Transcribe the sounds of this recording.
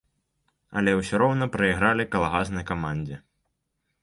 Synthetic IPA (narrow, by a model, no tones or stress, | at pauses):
ɐ̰lʲɛwsʲɔɾɔwnɐpɾɐjiɣɾalʲikɐlˠaɣaznɨjkamanʲd͡zʲɛ